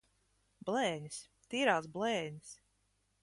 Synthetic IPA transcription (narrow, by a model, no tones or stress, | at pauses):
blɛːɲis | t̪iːɾaːsblɛːɲis